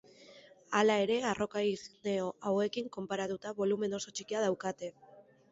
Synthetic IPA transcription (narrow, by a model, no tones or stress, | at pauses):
alae̞ɾe̞aro̞kaiɣneoʔawe̞kiŋko̞mpaɾat̪ut̪aβolume̞no̞so̞t͡ʃikiað̞awkat̪e̞